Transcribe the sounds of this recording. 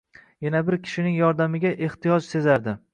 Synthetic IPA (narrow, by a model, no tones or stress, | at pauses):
janabɪɾkʲʰɪ̥ʃɪnɪŋjɒɾd̪amɪɡʲaʔe̞ht̪ʰɪjɒd͡ʒse̞zaɾd̪ɪ